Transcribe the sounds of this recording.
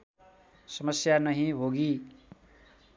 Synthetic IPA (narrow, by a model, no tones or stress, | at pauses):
sʌmʌsjanʌɦĩɦoɡi